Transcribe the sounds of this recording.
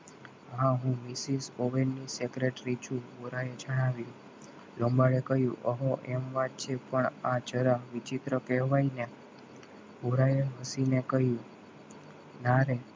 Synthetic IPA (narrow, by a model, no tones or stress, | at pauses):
ɦãɦũmɪsisoʋenːisekɾeʈɾit͡ʃʰũbuɾajed͡ʒəɽ̃aʋjũ | lõmbaɽekəɦjṵ̃ʔəɦoʔɛmʋat̪̚t͡ʃʰepəɳat͡ʃəɾaʋit͡ʃit̪ɾəkɛɦʋaine | buɾajeɦəsinekəɦjũ | naɾe